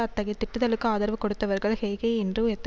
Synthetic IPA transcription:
ɐt̪ːɐɣɐɪt̪ːɪʈːɯðɐlɯkːɯaːðɐɾʋɯkːɔɽɯt̪ːɐʋɐɾɣɐɭhɛːɣɐɛndrɯɛt̪ː

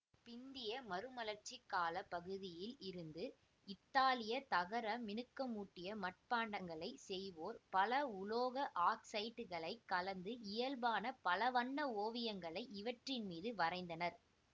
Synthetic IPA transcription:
pɪnd̪ɪjɐmɐɾɯmɐlɐɾt͡ʃːɪkːaːlɐpɐɣɯðɪjɪlɪɾɯnd̪ɯ | ɪt̪ːaːlɪjɐt̪ɐɣɐɾɐmɪnɯkːɐmuːʈːɪjɐmɐʈ̚paːɳɖɐŋɡɐɭɐɪsɛjʋoːɾpɐlɐʊloːɣɐʔaːksɐɪʈɯɣɐɭɐɪkːɐlɐnd̪ɯɪjɐlbaːnɐpɐlɐʋɐɳːɐoːʋɪjɐŋɡɐɭɐɪɪʋɐʈrɪnmiːðɯʋɐrɐɪnd̪ɐnɐɾ

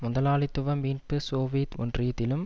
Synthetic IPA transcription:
mʊðɐlaːlɪt̪ːɯʋɐmiːnpɯsoːʋiːt̪ɔ̰ndrijɐt̪ːɪlɯm

